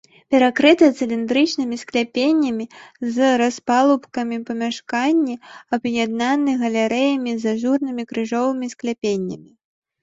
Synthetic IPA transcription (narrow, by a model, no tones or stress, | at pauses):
pʲɛɾakɾɨt̪ɐt̪sɨlʲind̪ɾɨt͡ʂnɨmʲisklʲapʲenʲːɐmʲizɾaspalˠupkɐmʲipɐmʲaʂkanʲːiɐbjad̪̚nanɨɣɐlʲaɾɛjɐmʲizaʐurnɨmʲikɾɨʐɔvɨmʲisklʲapʲenʲːɐmʲi